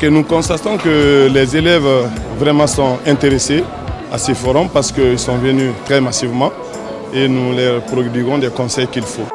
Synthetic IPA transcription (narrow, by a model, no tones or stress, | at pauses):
kənukɔ̃st̪at̪ɔ̃kəlɛzelɛvvɾɛmãsɔ̃ɛ̃nt̪eɾese | asɛfoɾɔmpaɾsə̥kəilsɔ̃vənyt̪ʁɛmasivmɑ̃ | enulɛɾpɾod̪ɥiɡɔ̃d̪ɛkɔ̃sɛjkilfo